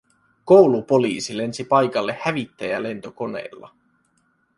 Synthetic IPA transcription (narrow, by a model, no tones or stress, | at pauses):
ko̞wlupo̞liːsile̞nsipɑjkɑlːe̞hæʋit̪ːæjæ̰le̞nt̪o̞ko̞ne̞̰ːlːɑ̰